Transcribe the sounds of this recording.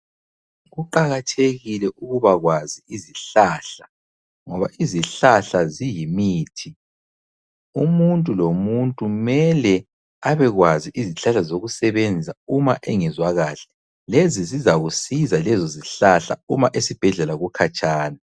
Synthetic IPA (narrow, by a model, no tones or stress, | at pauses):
ɣuǃaɣatʰeɣilɛʔuɣuβaɣwaziiziɬaɬḁ | ŋɔβaʔiziɬaɬazijimiːtʰi | umuntʼulomuntʼumɛlɛ | aβɛɣwaziʔiziɬaɬazoɣusɛβend͡zʱisaumaʔɛŋɛzwaɣaɬɛ̥ | lezizizaɣusizalɛzɔziɬaɬa̰umaʔesib̥ʱɛɮɛlaɣukʰat͡ʃʼaːna